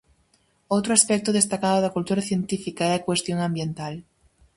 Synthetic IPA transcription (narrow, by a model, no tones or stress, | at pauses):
owt̪ɾʊaspɛk̚t̪ʊðest̪akaðʊðɐkult̪uɾɐθjent̪ifikaɛakwest̪joŋãmbjent̪al